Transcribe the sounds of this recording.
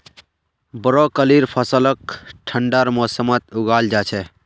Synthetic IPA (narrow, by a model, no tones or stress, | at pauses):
bəɾɔkəliɾpʰəsələkʈʰəɳɖaɾmɔsəmət̪uɡald͡ʒat͡ʃʰɛ